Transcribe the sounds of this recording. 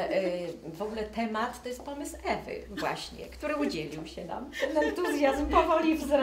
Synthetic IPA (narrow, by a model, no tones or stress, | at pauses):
vɔɡulɛt̪ɛmat̪ːɔjɛst̪̚pɔmɘsɛvɘ̰vwa̰ɕɲɛ̰kt̪uɾɘud͡ʑelʲiwɕɛna̰mɛnɛnt̪uzʲjazmpɔvɔlʲivzɾ